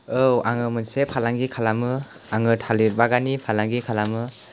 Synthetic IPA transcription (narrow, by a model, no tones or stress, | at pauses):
ɯwaŋɯmɯnsepʰalaŋɡikʰalamɯ | aŋɯtʰaliɾbaɡanipʰalaŋɡikʰalamɯ